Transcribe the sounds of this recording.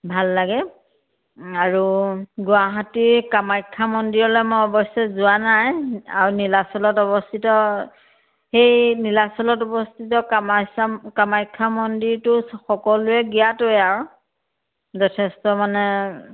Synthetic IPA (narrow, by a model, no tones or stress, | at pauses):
bʱalːaɡɛ | aɹuɡʊaɦatiɹkamajkʰːamɔndiɹɔlɛmɔjɔbɔsɔzʊanaja̰ɹunilasɔlɔtɔbɔstʰitɔ | xejnilasɔlɔtɔbɔstʰit̬ɔk | kamajkʰːamɔndiɹtʊxɔkɔlʊɛɡijatojaɹ | zɔtʰɛstɔmanɛ